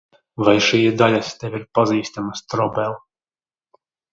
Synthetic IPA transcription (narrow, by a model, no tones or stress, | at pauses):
vajʃijɛd̪alʲast̪ɛvʲiɾpaziːst̪amast̪ɾɔbɛlˠ